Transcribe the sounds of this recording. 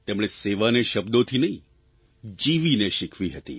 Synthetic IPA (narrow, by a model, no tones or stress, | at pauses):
t̪emɽ̃eseʋaneʃəbd̪ot̪ʰinəɦĩ | d͡ʒiʋineʃikʰʋiɦət̪ḭ